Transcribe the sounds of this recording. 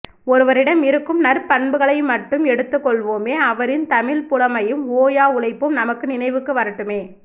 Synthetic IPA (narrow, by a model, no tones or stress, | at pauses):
ɔɾɯʋɐɾɪɽɐmɪɾɯkːɯmnɐɾpɐɳbɯɣɐɭɐɪmːɐʈːɯmɛɽɯt̪ːɯkːɔɭʋoːmeːɐʋɐɾɪnt̪ɐmɪlpʊɽɐmɐjɯmoːjaːʊɭɐɪpːɯmnɐmɐkːɯnɪnɐɪʋɯkːɯʋɐɾɐʈːɯmeː